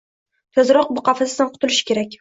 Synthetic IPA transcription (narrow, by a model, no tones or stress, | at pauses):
t̪ʰɵzɾɒq̚bʊqɑfasɪd̪anqʰʊ̥t̪ʰʊlɪʃɪ̥kʲʰe̞ɾakʲ